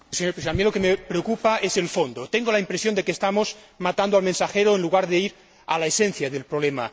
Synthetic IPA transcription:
seɲopɾesamilo̞kemepɾeokupaese̞lfond̪ot̪eŋɡolaimpɾesjond̪ekeːst̪amos | mat̪and̪oalmẽnsaxeɾoenluɣ̞aɾðeiɾ | alaesẽn̟θjaðelpɾoβlema

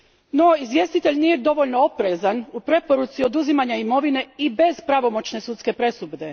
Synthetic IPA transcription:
no̞izʋje̞st̪it̪e̞ʎnije̞d̪o̞ʋo̞ʎnoo̞pɾezanupɾe̞po̞ɾut̪sio̞d̪uzimaɲaimo̞ʋine̞ibe̞zpɾaʋo̞mo̞t͡ɕne̞sut̪ske̞pɾe̞subd̪e̞

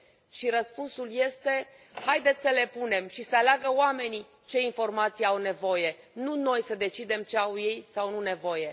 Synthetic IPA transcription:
ʃiɾəspunsulje̞st̪e̞ | hajd̪et̪sʲsəle̞pune̞mʃisəalaɡəwame̞ni | t͡ʃe̞info̞rmat̪sijeawne̞vo̞je̞ | nuno̞jsəd̪e̞t͡ʃid̪e̞mt͡ʃe̞awje̞jsawnune̞vo̞je̞

